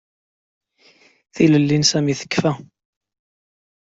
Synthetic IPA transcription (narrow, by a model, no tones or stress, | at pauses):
θiləlːinsæmiθə̥kːfæ